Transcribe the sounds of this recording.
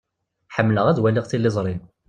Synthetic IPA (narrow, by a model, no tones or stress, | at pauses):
ħəmːləʁæðwælɪʁθilːizˤɾˤin